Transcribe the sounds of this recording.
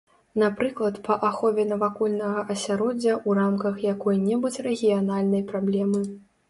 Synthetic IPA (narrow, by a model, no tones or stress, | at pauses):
napɾɨklˠɐt̪pɐʔaxɔvʲɛnɐvakulʲnɐɣɐʔɐsʲaɾɔd͡zʲɐʔuramkɐxjakɔjnʲɛbut͡sʲrɛɣʲijanalʲnɐjpɾablʲɛmɨ